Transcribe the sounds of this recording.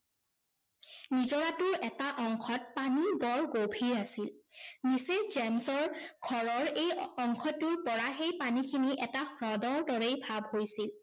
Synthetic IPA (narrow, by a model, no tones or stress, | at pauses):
nizɔɹatʊɹɛtaʔɔŋkʰɔt̚panibɔɹɡobʱiɹasilmisezɛmsɔɹɡʱɔɹɔɹejɔŋkʰɔtːʊɹpɔɹaxejpanikʰiniʔɛtaxɹɔdɔɹdɔɹejbʱabhojsil